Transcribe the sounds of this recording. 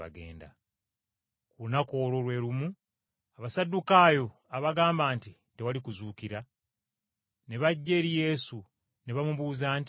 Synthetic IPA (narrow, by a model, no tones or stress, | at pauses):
a̰ɡe̞̰ːnda̰ | kuunako̞ːlo̞lwe̞ːɾumu | aβasadːukaːjo̞ | aβaɡaːmbaːnti | te̞walikuzuːkiɾa | ne̞βaɟːe̞ːɾije̞ːsu | ne̞βamuβuːzaːnt